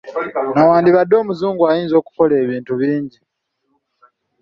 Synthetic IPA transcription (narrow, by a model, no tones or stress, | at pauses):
nawaːndiβadːo̞ːmuzuːŋɡwajiːnzo̞ːku̥ko̞le̞ːβiːntuβiːɲɟi